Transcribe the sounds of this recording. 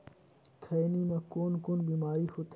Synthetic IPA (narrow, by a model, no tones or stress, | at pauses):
kʰɐjnimãːkoːnkoːnbiːmaːɾihoːt̪ʰː